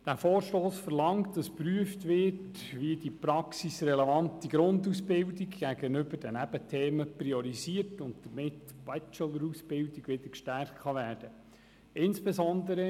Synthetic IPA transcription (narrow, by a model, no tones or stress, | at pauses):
d̥æːfoːɾʃtoːsfəɾlɑŋtd̥ɑspɾyəftʋɪt | ʋidipɾɑksisrɛlɛvɑntiɡ̥ɾʊndusbɪldiɡɡ̥æɡənʏbəɾd̥ənæb̥ətʰeːməpɾiɔɾiziːərtʊntd̥̪əɾmɪtːb̥ɛt͡ʃələɾusb̥ɪldiɡ̥ʋɪd̥əɾkʃtæɾχtχɑʋæːd̥ə | ɪnsb̥ɛzɔndəɾə